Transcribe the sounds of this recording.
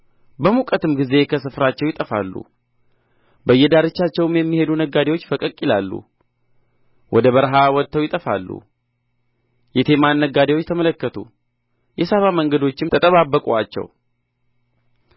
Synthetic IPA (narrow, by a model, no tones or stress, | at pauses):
bəmukʼət̪ɨmɡize̞kʰəsɨfɾat͡ʃːɛwjɪt̪ʼəfa̰lːṵ | bəjːɛd̪aɾɨt͡ʃːat͡ʃːɛwɨmjɛmːihe̞d̪unəɡːad̪ewot͡ʃːfəkʼəkʼilalːṵ | wʔɔd̪əβəɾɦawɔt̪ʰːəwjɪt̪ʼəfalːṵ | jɛt̪ʰe̞manːəɡad̪ewot͡ʃːt̪ʰəmələkːət̪ʰṵ | jɛsaβaməŋɡəd̪o̞t͡ʃːɪmt̪ʰət̪ʼəβabːəkʼuat͡ʃːɛ̰w